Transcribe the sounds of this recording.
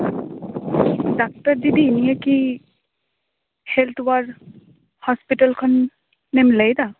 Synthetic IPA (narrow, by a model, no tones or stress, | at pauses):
dak̚taɹdidiːnijaki | hɛlt̪ʰwaɹ | hɔspitalkʰɔnː | emlejda